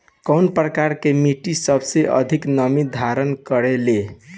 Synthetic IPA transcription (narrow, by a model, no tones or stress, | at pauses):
kəwnpɾəkaɾkemiʈisʌbseʔʌ̰d̪ʱiknəmid̪ʱaɾənkəɾele